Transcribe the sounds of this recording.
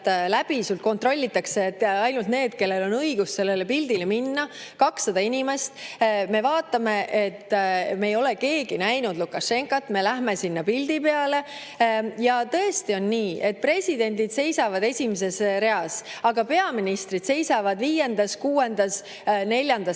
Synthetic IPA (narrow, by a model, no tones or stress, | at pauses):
læb̥isult̪̚ko̞nt̪ro̞lʲːit̪ːˑɑkset̪ːɑjnult̪ne̞ːd̪̥ke̞lːe̞lo̞nɤjɡusse̞lːe̞lepild̪̥ileminːɑkɑksːɑd̪ɑinʲime̞st̪me̞vɑːt̪ːˑɑme̞ʔet̪ːmeːjo̞le̞ke̞ːɡ̥inæjnud̪lukːɑʃe̞ŋkɑt̪ːme̞læɦme̞sinːɑpild̪̥ipe̞ɑle̞ | jɑt̪ɤ̞est̪io̞nːiːe̞t̪̚pre̞sʲid̪e̞nʲd̪id̪̥se̞jsɑvɑd̪e̞sʲimes̬e̞sɾe̞ɑsɑɡɑpe̞ɑminist̪ɾid̪̥se̞jsɑvɑd̪viːje̞nd̪̥ɑskuːe̞nd̪̥ɑs | ne̞lʲjɑnd̪̥ɑ